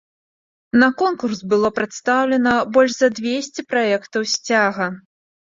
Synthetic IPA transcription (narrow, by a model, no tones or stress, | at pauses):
nɐkɔnkursbɨlˠɔpɾat̪st̪awlʲɛnɐbɔlʲʂzɐd̪vʲesʲt͡sʲipɾaɛkt̪ɐwsʲt͡sʲaɣɐ